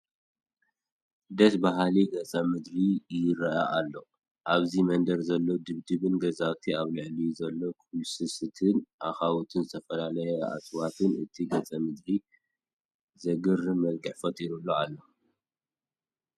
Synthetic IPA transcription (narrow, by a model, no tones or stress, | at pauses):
d̪ɐsbaɦaliɡɐt͡sʼɐmɨd̪ɾijɪɾɐʔaʔalːo̞ | ʔaβzimɐnd̪ɐɾzɐlːod̪ɨβd̪ɨβɨnɡɐzawt̪ʰiaβlɨʕlizɐlːo̞kʰulsɨsɨt̪ʰɨnʔaxawut̪ʰɨnzɨt̪ʰɐfɐlalɐjɛa̰swat̪ʰɨnɨt̪ʰiɡɐt͡sʼɐmɨd̪ɾi | zɐɡɨɾmɐlɡɨħfɐt̪ʼiɾulːoalːo